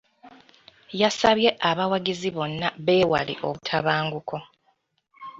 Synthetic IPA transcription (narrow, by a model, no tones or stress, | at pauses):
jasaβje̞ʔaβawaɡiziβo̞nːaβe̞ːwa̰lḭʔo̞̰βutʰaβaːŋɡukʰo̞